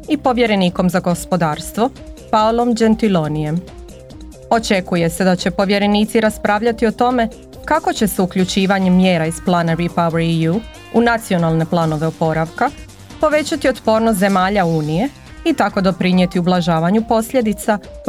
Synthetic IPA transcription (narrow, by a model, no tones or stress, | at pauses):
ipo̞ʋje̞ɾe̞niːko̞mzaɡo̞spo̞d̪aːɾst̪ʋo̞ | paolˠo̞md͡ʒe̞nt̪ilo̞nije̞m | o̞t͡ʃe̞kuje̞se̞d̪at͡ɕe̞po̞ʋje̞ɾe̞niːt̪siɾaspɾaːʋʎat̪io̞t̪o̞me̞ | kako̞t͡ɕe̞seukʎut͡ʃiːʋaɲemjeːɾaisplˠaːnaɾipaweɾiju | unat̪sio̞nalˠne̞plˠaːno̞ʋe̞opo̞ɾaʋka | po̞ʋe̞t͡ɕat̪io̞t̪po̞ːɾnost̪ze̞maːʎauːnije̞ | it̪ako̞d̪o̞pɾiɲje̞t̪iublˠaʒaːʋaɲupo̞sʎʲe̞d̪it̪sa